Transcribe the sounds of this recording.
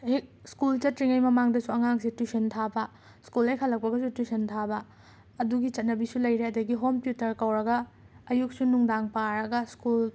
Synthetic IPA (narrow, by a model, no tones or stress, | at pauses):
hek̚skult͡ʃɐtɾiŋɐjmɐmaŋdɐsuɐŋaŋsitusɐntʰabɐ | skulɐjkʰɐlːɐk̚pɐɡɐsutusʰɐntʰabɐ | ɐduɡit͡ʃɐt̚nɐbisulɐjɾeɐdɐɡiɦompjutɐɾkɐwɾɐɡɐː | juk̚sunuŋdaŋpaɾɐɡɐskul